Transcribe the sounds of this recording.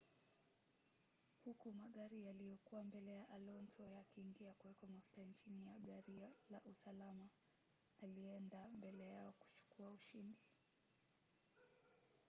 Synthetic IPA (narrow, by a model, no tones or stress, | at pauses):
hukumaɠaɾijalijɔkuwambɛlɛjaʔalɔntɔjakiːŋɡiakuwɛkɔmafu̥tant͡ʃinijaɠaɾialaʔusalamaː | liɛndambɛlɛjaɔku̥t͡ʃu̥kuauʃindi